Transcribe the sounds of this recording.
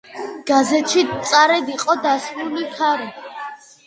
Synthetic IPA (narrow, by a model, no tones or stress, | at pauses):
ɡ̥azɛt̪ʃit̪sʼaɾɛd̪iqʼɔd̪asɾulikʰaɾ